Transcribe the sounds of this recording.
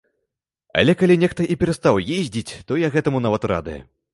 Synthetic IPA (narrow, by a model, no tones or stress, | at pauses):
ɐ̰lʲɛkalʲinʲɛxt̪ɐʔipʲɛɾɐst̪awjezʲd͡zʲit͡sʲt̪ɔjaɣɛt̪ɐmunavɐt̪ra̰d̪ɨjɛ̰